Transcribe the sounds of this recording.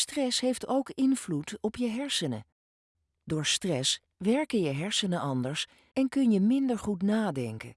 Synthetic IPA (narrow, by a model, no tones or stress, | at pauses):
strɛsɦejftowkɪnvlutɔpjəɦɛɹsənə̰ | dʊːɹstrɛs | ʋɛɹkəjəɦɛɹsənənʔɑndəɹs | ɛnkɵnjəmɪndəɹχutnaːdɛ̰ŋkə̰